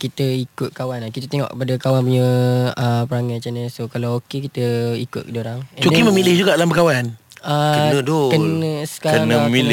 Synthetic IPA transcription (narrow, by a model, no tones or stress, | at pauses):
kit̪əikʊt̪̚kawanlakit̪at̪eŋɔ̰ʔkəpadakawanpuɲəəpəɾaŋət͡ʃanəsokalawokekit̪əikʊ̰t̪̚kədoɾaŋɛ̃t͡ʃodkiməmilɪhd͡ʒuɡaʔdalambəkawanaəədokənəsə̥kakəanəmmilɪ